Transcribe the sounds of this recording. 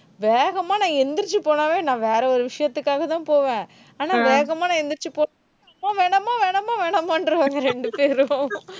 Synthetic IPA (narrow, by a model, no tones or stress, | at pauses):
ʋeːɣɐmaːnãːɛnd̪ɪɾt͡ʃːɯpoːnaːʋẽːnãːʋeːɾɐɔɾɯʋɪʂɐjɐt̪ːɯkːaːɣɐt̪ãːpoːʋẽː | aːnaːʋeːɣɐmaːnɐɛnd̪ɪɾt͡ʃːɯpoː | ɐmaːʋeːɳɐmːaːʋeːɳɐmːaːʋeːɳɐmaːnɖɾɯʋaːŋɡɐɾɛɳɖɯpeːɾʊʊ̃